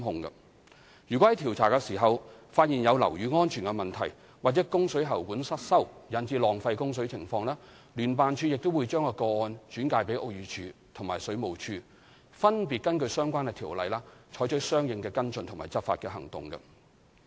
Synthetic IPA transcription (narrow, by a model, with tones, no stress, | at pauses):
mɦʊ˧ŋɡɐ̰˧ | jyː˨˩kɔ˨˥hɐ˨˦jt̪ʰi˨˩wt͡sʰaː˨˩kɛ˧siː˨˩ɦɐ˨wfaː˧t̚jiː˨˩njɐ˨˧wlɐ̰˨˩wjyː˨˧ŋɔː˥nt͡ʃʰyː˨˩nkɛ˧mɐ˨nt̪ʰɐ˨˩j | waː˨t̚t͡sɛ˨˥kʊ˥ŋsɵ˨˥ɥɦɐ˨˩wkuː˨˥nsɐ˥t̚sɐ˥wjɐ˨˥nt͡siː˧lɔː˨ŋfɐ˧jkʊ˥ŋs̬ɵ˨˥ɥt͡sʰɪ˨˩ŋfɔː˧ŋlaː˥ | lyː˨˩npaː˨nt͡ʃʰyː˧jɪ˨k̚t̪o˥wu˨˧jt͡ʃœː˥ŋkɔː˧kɔː˧ɔː˧nt͡ʃyː˨˥nkaː˧jpe˨˥jʔo˧k̚jyː˨˧t͡ʃʰyː˧t̪ʰʊ˨˩ŋmaː˨˩sɵ˨˥ɥmo˨wt͡ʃʰyː˧ | fɐ˥npiː˨t̚kɐ˥nkɵ˧ɥsœː˥ŋkʷwaː˥nkɛ˧t̪ʰiː˨˩wlɐ̰˨jlaː˥t͡ʃʰɔː˨˥jt͡ʃɵ˨˥sœː˥ŋjɪ˧ŋkɛː˧kɐ˥nt͡sɵ˧ntʰʊ˨ŋma̰ː˨˩jt͡sɐ˥p̚faː˧t̚kɛː˧ɦɐ˨˩ŋt̪ʊ̰˨ŋɡɐ̰˧